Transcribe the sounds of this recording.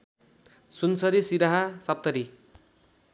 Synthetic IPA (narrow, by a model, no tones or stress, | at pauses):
sunsʌɾisiɾaɦasʌp̚t̪ʌɾi